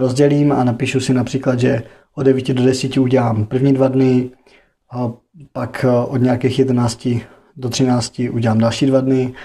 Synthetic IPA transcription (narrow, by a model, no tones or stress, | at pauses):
ɾozɟɛliːma̰napiːʃusɪnapr̥iːklad̪ʒɛ | ʔodɛviːcɪdodɛsiːcɪuɟɛlaːmpr̩vɲiːdvadnɪ | pakʔodɲaːkɛːxjɛdɛnaːt͡scɪ | dot̪r̝̥ɪnaːt͡scɪʔuɟɛlaːmdalʃiːdvadnɪ